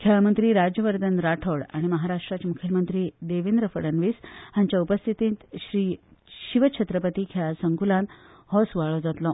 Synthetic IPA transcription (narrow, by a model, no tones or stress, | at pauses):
kʰamənt̪ɾiːɾad͡ʑjəʋəɾd̪ənɾaʈʰoɽa̰ɽ̃iməɦaɾaʂʈɾat͡ɕamukʰjəlmənt̪ɾiːd̪eʋend̪ɾəfəɽənʋiːsɦãɲt͡ɕjaupəst̪ʰit̪ĩːnt̪ɕɾiːɕiʋəɕʰet̪ɾəpət̪iːkʰaasəŋkulãn | hɔsuʋaɭɔd͡zat̪lɔ